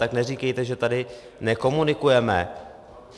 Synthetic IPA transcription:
t̪aknɛriːkɛjt̪ɛʒɛt̪adɪ | nɛko̞munɪkujɛmɛ̰

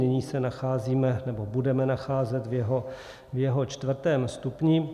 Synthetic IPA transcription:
ɛɲiːsɛnaxaːziːmɛnɛbo̞budɛmɛnaxaːzɛt̪vjɛɦo | vjɛɦo̞t͡ʃt̪vr̩t̪ɛːmst̪upɲi

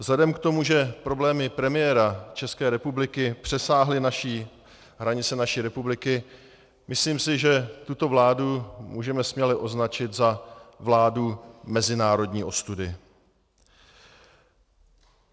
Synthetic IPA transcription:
zlɛdɛmkt̪o̞muʒɛpɾo̞blɛːmɪpɾɛmɪjɛɾat͡ʃɛskɛːɾɛpublɪkɪpr̥ɛsaːɦlɪnaʃiː | ɦɾaɲɪt͡sɛnaʃiːɾɛpublɪkɪ | mʔɪsliːmsɪʒɛt̪ut̪o̞vlaːdumṵːʒɛmɛsmɲɛlɪʔo̞znat͡ʃɪt̪zavlaːdumɛzɪnaːɾo̞dɲiːʔo̞st̪udɪ

